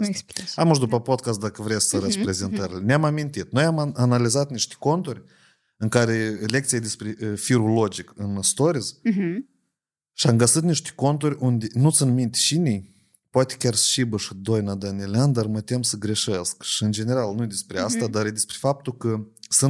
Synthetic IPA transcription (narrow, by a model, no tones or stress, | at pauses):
samuʃd̪upəpod̪̚kas̬t̪̚d̪akəvɾesksəɾəspɾe̞zent̪əɾilʲeneamamint̪it̪no̞jamanalizat̪niʃt̪ʲe̥ko̞nt̪urʲ | ɨŋkaɾelʲe̞k̚t̪sijad̪espɾʲefiɾulo̞d͡ʒikɨnst̪o̞ɾiz | ʃiamɡət̪sɨt̪niʃt̪ʲe̥ko̞nt̪urʲund̪ʲenusɨnmint̪ʲʃinʲij | poat̪ʲe̥kʲarst͡ʃibəʃid̪o̞jnad̪anielʲeand̪armət̪e̞msəɡɾe̞ʃeskʃiɨnd͡ʒe̞ne̞ɾalˠnud̪espɾeast̪ad̪ared̪espɾʲefap̚t̪ukəsɨn